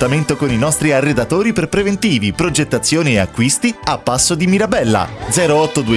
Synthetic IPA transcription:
t̪ament̪okoninɔst̪ɾiarːed̪at̪oːɾiperpɾevent̪iːvipɾod͡ʒet̪ːat̪sːjoːniea̰kːwist̪iapːasːod̪imiɾabɛlːa̰d̪zɛːɾoɔt̪ːod̪ue

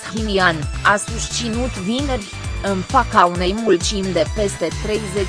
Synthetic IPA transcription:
kʲiniana̰suʃt͡ʃinut̪vinerʲ | ɨnfakaune̞jmult͡ʃimd̪e̞pe̞st̪e̞t̪ɾe̞jze

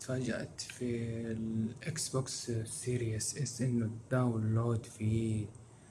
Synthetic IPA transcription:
t̪faːd͡ʒa̰ʔt̪filʔɪksbokssiːɾijɪsʔɪsʔɪnːʊd̪awnloːd̪fi

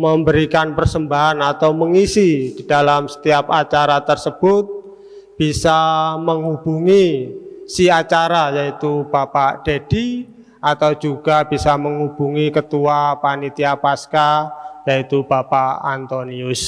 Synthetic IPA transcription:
məmbəɾikanpərsəmbaɦanat̪awməŋisid̥id̥alamsə̥t̪iap̚at͡ʃaɾat̪ərsəb̥ʊt̪̚ | b̥isaməŋub̥uŋisiat͡ʃaɾajait̪ub̥apad̥ed̥i | at̪awd͡ʒuɡ̥ab̥isaməŋub̥uŋikət̪uapanit̪iapaskajait̪ub̥apaant̪oniʊs

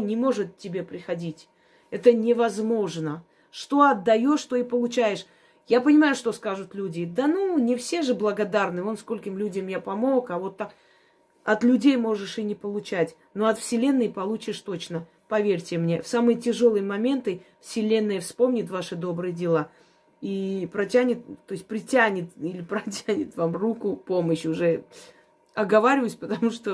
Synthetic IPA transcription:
nʲɪmo̞ʐɨt̪tʲːɪbʲe̞pɾʲɪxɐdʲitʲ | ɛt̪ənʲɪvɐzmo̞ʐnə | ʂt̪o̞ɐd̪ːɐjo̞ʂt̪o̞ipəlˠʊt͡ɕæjɪʂ | japənʲɪmajʊʂt̪o̞skaʐʊt̪lʲudʲɪd̪ənunʲɪfsʲe̞ʐɨblˠəɡɐd̪arnɨonsko̞lʲkʲɪmlʲudʲɪmjapɐmo̞kavo̞t̪ːak | ɐt̪lʲʉdʲejmo̞ʐɨʂɪnʲɪpəlˠʊt͡ɕætʲ | no̞ɐt̪fsʲɪlʲe̞nːɨjpɐlˠut͡ɕɪʂt̪o̞t͡ɕnə | pɐvʲeɾʲtʲɪmnʲe̞fsamɨjətʲɪʐolˠɨjəmɐmʲe̞nt̪ɨfsʲɪlʲe̞nːɨjəfspo̞mnʲɪt̪vaʂɨd̪o̞bɾɨjədʲɪlˠa | ipɾɐtʲænʲɪt̪ːo̞jɪsʲt̚ʲpɾʲɪtʲænʲɪt̪ilʲɪpɾɐtʲænʲɪt̪vamrukʊpo̞məɕʊʐɛ | ɐɡɐvaɾʲɪvəjsʲpət̪ɐmuʂt̪o

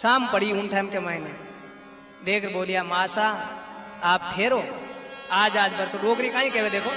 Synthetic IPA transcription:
saːmpəɽ̤iʊnʈʰaːmkemaːɦine | d̪eːkʰɾboːlijamaːsa | aːp̚ʈʰeːɾoːaːd͡ʒaːd͡ʒbəɾt̪oɖoːkɾikãːɦĩkɛʋed̪eːkʰoː

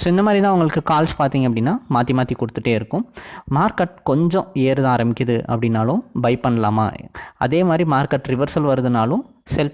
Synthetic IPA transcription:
soɪnd̪ɐmaːd̪ɾit̪ãːɐʋɐŋɡɐɭɯkːɯkaːlspaːɾt̪iːŋɡɐpːɐɽɪnːaːmaːt̪ːimaːt̪ikɔɽɯt̪ːɯʈːeːɪɾɯkːʊ̃maːɾkɐʈ̚kɔɲd͡ʒɔ̃eːɾɯðãːɾɐmɪkʲːɐðɯɐ̰pːɐɽɪnːaːlʊ̃bɐɪpɐɳːɐlaːma̰ːɐ̰ðeːmaːd̪ɾimaːɾkɐʈːɾɪʋɐɾsɐlʋɐɾɯðɯnaːlʊ̃ | sɛlp

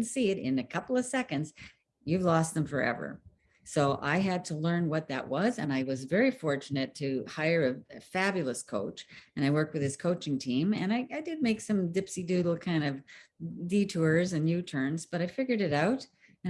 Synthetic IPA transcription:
nsiɨɾɪ̰̃nɨkʰʌpl̩ˠʌv̥sɛkɨ̃ndz̥ | jʉvlɔst̪̚ðə̃ɱfə˞ɛ̰və̰˞ | soʊʔa̰ɪɨd̚tʰəlɜ̃˞nwʌt̪̚ðɨ̰ʔwʌzɨ̰̃naɪwʌzvɛɹifɔɹt͡ʃɨnɨtʰɨhaɪə˞ɨfæbjl̩ˠəskʰo̰ʊt͡ʃɨ̃ɾ̃aɪwɜ˞k̚t̚wɨð̥ɨz̥kʰoʊt͡ʃɪ̃ŋtʰĩmɨ̰̃naɪʔaɪdɨd̚meɪksʌ̃mdɪpsidʉɾl̩ˠkʰãɪ̃ndʌvditʰʊɹzɨ̃njʉtʰɜ̃˞nzb̥ʌɾaɪfɪɡjə˞ɾɨɾaʊɾ | ɨ̃

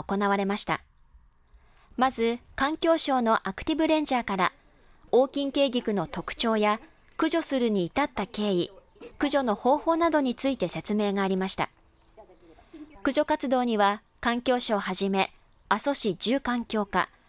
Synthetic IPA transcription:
oko̞naβ̞aɾe̞maɕi̥t̪a̰ | mazɨkãŋkʲo̞ːɕo̞ːno̞ʔakɯ̟̥t̪ʲibɯ̟ɾẽ̞ɲ̟d͡ʑaːkaɾa | o̞ːkʲĩŋke̞ːɡʲikɯ̟no̞t̪o̞kɯ̟̥t͡ɕo̞ːja | kɯ̟ʑo̞sɨɾɯ̟ɲ̟iːt̪at̪ːake̞ːi | kɯ̟ʑo̞no̞ho̞ːho̞ːnad̪o̞ɲ̟it͡sɨit̪e̞se̞t͡sɨme̞ːɡaːɾʲimaɕi̥t̪a̰ | kɯ̟ʑo̞kat͡sɨd̪o̞ːɲ̟iβa | kãŋkʲo̞ːɕoːhaʑime̞ | aso̞ɕid͡ʑɨːkãŋkʲo̞ːka̰

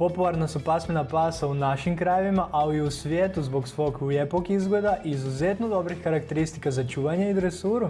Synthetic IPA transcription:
populˠaɾnasupasmenapaːsaunaʃimkɾajeʋimaʔaiusʋjeːt̪uzboksʋo̞kujepokizɡled̪aʔizuzet̪nod̪obɾixkaɾakt̪eɾist̪ikazat͡ʃuːʋaɲaid̪ɾesuːɾu

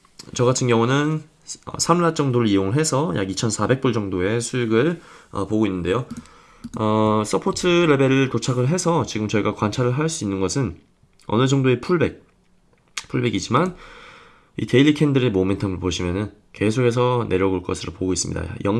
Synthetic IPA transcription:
t͡ɕʌɡatʰɯnɡjʌŋunɯn | ʌ̰sʰamlat̚t͡ɕ͈ʌŋdoɾɯɭijoŋɯɭɦe̞sʰʌja̰ɡit͡ɕʰʌnsʰabe̞k̚p͈uɭd͡ʑʌŋdoe̞sʰujuɡɯɭʌ̰poɡoinːɯnde̞jo | ʌs͈ʰʌpʰotʰɯɾe̞be̞ɾɯɭtot͡ɕʰaɡɯɭɦe̞sʰʌt͡ɕiɡɯmt͡ɕʌiɡakwant͡ɕʰaɾɯɭɦaɭs͈uinːɯnɡʌsʰɯn | ʌ̰nɯd͡ʑʌŋdoe̞pʰuɭbe̞k̚ | pʰuɭbe̞ɡid͡ʑiman | ḭte̞iʎːikʰe̞ndɯɾemome̞ntʰʌmɯɭpoɕʰimjʌnɯn | ke̞sʰokʰe̞s̬ʰʌnʔe̞ɾjʌɡoɭk͈ʌsʰɯɾo̰poɡois͈mɲḭda̰jʌŋ

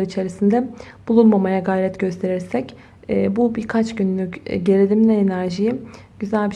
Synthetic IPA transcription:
aɾit͡ʃʰe̞ɾisind̪ɛb̥ulˠunmamajaɡajɾɛt̪ɟø̞st̪ʰe̞ɾiɾsɛcː | bubiɾkʰat͡ʃɟynlʲycɟe̞ɾid̪ʲimnʲɛenæɾʒiji | ɟ̥yzælʲbi

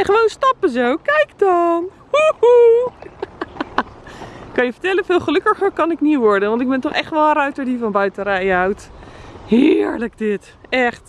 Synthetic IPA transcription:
ɛχəʋownstɑpəzowkɛjkdɔn | huu | kɑnjəfəɹtɛlənfɪːlˠχəlɵkəχərkɑnɪkniʋɔɹdənʋɑntɪɡ̚bɛntɔχɛχtʋɔlˠə̃nrœɥtəɹdifɔnbœɥtərɛjawthɪɹlək̚dɪt | ɛχt

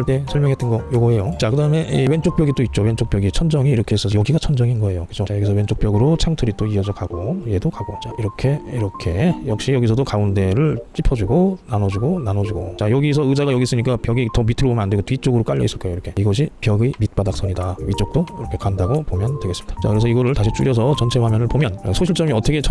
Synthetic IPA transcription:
ɭt͈e̞sʰʌɭmjʌŋɦe̞t͈ɯnɡʌjoɡʌɦe̞jot͡ɕakɯdaɯme̞ʔiwent͡ɕ͈ok̚p͈jʌɡit͈oit̚t͡ɕ͈owe̞nt͡ɕ͈ʰok̚p͈jʌɡit͡ɕʰʌnd͡ʑʌŋiːɾʌkʰe̞es͈ʌjʌɡiɡat͡ɕʰʌnd͡ʑʌŋinɡʌe̞jokɯd͡ʑoajʌɡisʰʌwe̞nt͡ɕ͈ʰok̚p͈jʌɡɯɾot͡ɕʰaŋtʰɯɾit͈oiʌd͡ʑʌkaɡoje̞dokaɡot͡ɕaiɾʌkʰe̞iɾʌkʰe̞jʌk̚ɕ͈ijʌɡisʰʌdokaunde̞ɾɯɭt͡ɕ͈ipʰʌd͡ʑuɡonanʌd͡ʑuɡonanʌd͡ʑuɡot͡ɕajʌɡis̬ʰʌɯd͡ʑaɡɣajʌɡis͈ɯɲik͈apjʌɡitʌmitʰɯɭbomjʌnandeɡotɥit͡ɕ͈oɡɯɾok͈aʎːʌis͈ɯɭk͈ajoiɾʌkʰe̞iɡʌɕ̬ʰipjʌɡimit̚p͈adak̚s͈ʌɲidamit͡ɕ͈ok̚t͈oiɾʌkʰe̞kandaɡopomjʌntwe̞ɡes͈ɯmɲid̥ḁt͡ɕakɯɾe̞sʰʌiɡʌɾɯɭtaɕʰit͡ɕ͈ʰṵɾjʌsʰʌt͡ɕʌnt͡ɕʰe̞wamjʌnɯɭpomjʌnsʰoɕ̬ʰiɭt͡ɕ͈ʌmiʌtʰʌkʰet͡ɕʰ

